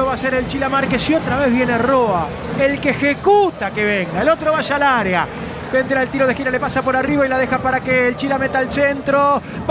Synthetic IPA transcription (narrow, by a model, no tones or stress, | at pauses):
oβaseɾelt͡ʃilamaɾkesio̞t̪ɾaβe̞zβje̞neroa | elkeːxekut̪akeβeŋɡaelo̞t̪ɾo̞βaʒalaɾea | bend̪elaelt̪iɾo̞ð̞exiɾale̞pasapo̞ɾariβailaðe̞xapaɾakeːlt͡ʃilamet̪aalsent̪ɾo | b